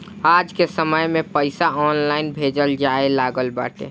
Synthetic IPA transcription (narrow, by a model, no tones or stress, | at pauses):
ad͡ʒkesəməjmẽpəɪsaɔnlaːɪnbʱed͡ʒəld͡ʒaelaːɡəlba̰ːʈḛ